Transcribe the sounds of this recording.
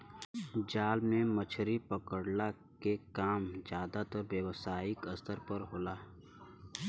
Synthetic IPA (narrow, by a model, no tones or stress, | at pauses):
d͡ʒaːlmẽmət͡ʃʰɾipəkəɽla | kekaːmd͡ʒjaːd̪at̪əɾbjəwsaːɪkɐst̪əɾpɐɾɦoːlaː